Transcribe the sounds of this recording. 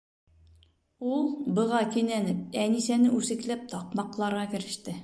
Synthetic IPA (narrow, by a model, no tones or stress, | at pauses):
ulˠbɤ̆ʁɑkinænɘp̚ænisænɘʔʉsɘ̆klæp̚t̪ɒqmɑqlˠɑɾʁɑkɘ̆ɾɘ̆ʃt̪ɘ